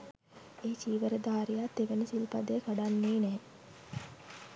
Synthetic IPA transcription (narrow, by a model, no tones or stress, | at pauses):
eːt͡ʃiːʋəɾəd̪aːɾijat̪ːeʋənisilpad̪əjːkaɖanːeːnɛː